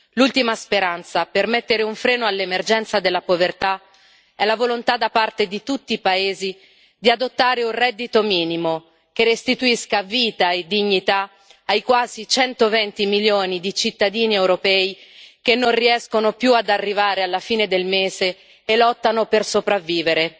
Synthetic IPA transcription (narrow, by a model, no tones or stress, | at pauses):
lult̪imaspeɾant̪sapermet̪ːeɾeuɱfɾeːnoalːemerd͡ʒɛnt̪sad̪elːapovert̪a | ɛlavolont̪ad̪apart̪ed̪it̪ut̪ːiːpaeːzi | d̪iad̪ot̪ːaːɾeunrɛd̪ːit̪omiːnimo | kerːest̪it̪uiskaviːt̪aed̪ːiɲːit̪aː | jkwaːzit͡ʃɛnt̪ovɛnt̪imiljoːnid̪it͡ʃit̪ːad̪iːniɛwɾopɛːikenːonriɛskonopjuad̪arːivaːɾealːafiːned̪elmeːzeː | lɔt̪ːanopersopɾavːiːveɾe